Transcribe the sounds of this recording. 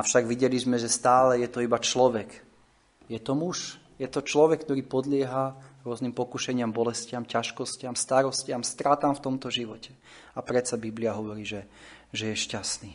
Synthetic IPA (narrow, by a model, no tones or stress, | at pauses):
afʃaɡʋiɟɛlizmɛʒɛst̪aːlɛjɛt̪ɔibat͡ʃlɔʋɛk | jɛt̪ɔmuʃ | jɛt̪ɔt͡ʃlɔʋɛkːt̪ɔɾiːpɔd̪lɪɛɦaɾʊɔznimpɔkuʃɛɲɪambɔlɛscɪamcaʃkɔscɪamst̪aɾɔscɪamst̪ɾat̪amft̪ɔmt̪ɔʒiʋɔcɛ̥ | apɾɛt͡sabibliaɦɔʋɔɾiːʒɛʒɛjɛʃcasniː